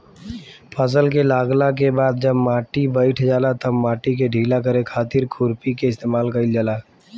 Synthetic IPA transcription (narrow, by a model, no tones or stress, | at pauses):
pʰəs̬əlkelaːɡlak̬ebaːd̪̚d͡ʒɐbmaːʈibəɪʈʰd͡ʒaːlat̪ɐbmaːʈik̬eɖʱiːlakəɾekʰaːt̪ɪɾkʰʊɾpikeɪst̪eːmaːlkaɪld͡ʒalaː